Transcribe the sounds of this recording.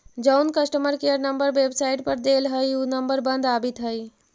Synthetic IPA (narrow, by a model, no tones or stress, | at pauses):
d͡ʒaʊnkəsʈəməɾkejəɾnəmbəɾʋebsaiʈpəɾd̪elɦəjunəmbəɾbənd̪abit̪ɦəj